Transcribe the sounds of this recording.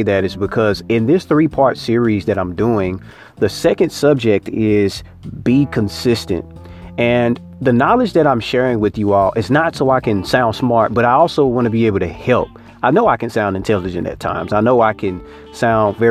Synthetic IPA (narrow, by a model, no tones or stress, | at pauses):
ðɨɾɨzbɨkʰʌzɪ̃nðɪsθɹipʰɑɹtsɪɹizðɨɾãɪ̃mduɪ̃ŋ | ðɨsɛkɨ̃nd̥sʌb̚d͡ʒɪk̚tʰɪz̥ | bikʰɨ̃n̩sɪstɨ̰̃nt̚ | ɨ̃n | ðɨnɑlˠɨd͡ʒðɨɾãɪ̃mʃɛɹɪ̃ŋwɨðjɨɔlˠʔɨznətsoʊaɪkɨ̃nsãʊ̃nd̥smɑɹt̚b̥ʌɾaɪɔlˠsoʊwɑ̃nɨbieɪbl̩ˠtʰɨhɛlˠp̚ | aɪnoʊaɪkɨ̃nsãʊ̃ndɨ̃ntʰɛlˠɨd͡ʒɨ̰̃ntɨ̰tʰã̰ɪ̃mzaɪnoʊaɪkʰɨ̃n | sãʊ̃ndvɛ